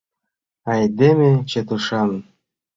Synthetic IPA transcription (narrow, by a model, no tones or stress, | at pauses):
ɑjd̪emʲet͡ɕet̪uʃɑn